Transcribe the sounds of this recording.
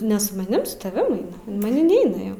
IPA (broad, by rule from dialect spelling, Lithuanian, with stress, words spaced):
ˈnʲɛ sʊ mɐˈnʲɪm sʊ tɐˈʋʲɪm ˈɐɪnɐ oː mɐˈnʲɪm ˈnʲɛɪnɐ jɛʊ